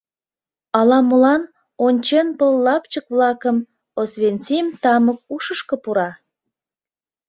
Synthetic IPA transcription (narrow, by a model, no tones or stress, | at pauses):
ɑlɑmolɑn | onʲt͡ɕenpəlːɑpt͡ɕəkβlɑkəm | osβenʲt͡simt̪ɑmək̚uʃəʃkə̆puɾɑ